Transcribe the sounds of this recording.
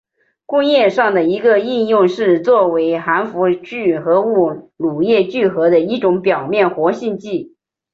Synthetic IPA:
kʊ˥˧ŋjɛ˥˧ʂɑ˥˩ŋd̪ə˩i˧˥ɡə˧i˥˧njʊ˥˧ŋʂɻ̩˥˧t͡swɔ˥˩we˧˥ɪxa˧˥nfu˧˥t͡ɕy˥˩xɤ˧˥u˥˩lu˨˩jɛ˥˧t͡ɕy˥˩xɤ˧˥d̪ə˧i˥ʈ͡ʂʊ˧˥ŋpjɑ˨˩ʊmjɛ˥˩nxwɔ˧˥ɕi˥˧nt͡ɕi˥˩

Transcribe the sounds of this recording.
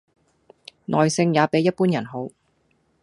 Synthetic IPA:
nʔɔː˨˩jsɪ˧ŋjaː˨˧pe˨˥jːɐ˥t̚puː˥njɐ˨˩nɦo˨˥w

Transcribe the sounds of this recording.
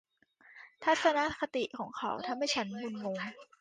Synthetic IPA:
t̪ʰaː˦˥˩t̪̚sa˧na˦˥kʰa˧t̪i˨˩kʰɔː˩˦ŋkʰa̰˨˩˦wt̪ʰa˧˩mːa˥˩jt͡ɕʰa˦˥nbu˧nmoː˧˩ŋ

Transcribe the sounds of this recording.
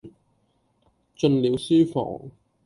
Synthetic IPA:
t͡ʃɵ˧nliː˨˥wsyː˥fɔ̰ː˨˩ŋ

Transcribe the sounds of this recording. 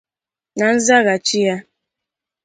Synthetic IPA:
na˨n̩˦za˦ɣa˨t͡ʃi˦ja˦

